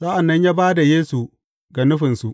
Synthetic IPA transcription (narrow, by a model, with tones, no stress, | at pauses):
sa˦ʔa˨nːɐ˦ɲjaː˦baː˦da˨jeː˦su˨ | ɡa˨nʊ˦ɸɪ˨nsu˨ʔ